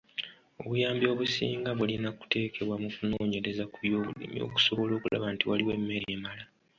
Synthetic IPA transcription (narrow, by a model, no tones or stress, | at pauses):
o̞̰βujaːmbjo̞ːβusḭːŋɡaβulinaku̥te̞ːke̞βwamukuno̞ːɲe̞ɾe̞zakujo̞ːβulḭmio̰ku̥so̞βo̞lo̞ːkula̰βantiwaliwe̞mːe̞ɾeːmala